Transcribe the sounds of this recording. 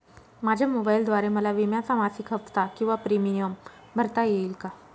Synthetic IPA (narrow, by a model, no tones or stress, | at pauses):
mad͡ʑʱamobaild̪ʋaɾeməlaʋimjat͡samasikʰəft̪akĩw̃ʋapɾimijəm | bʱəɾt̪ajeilka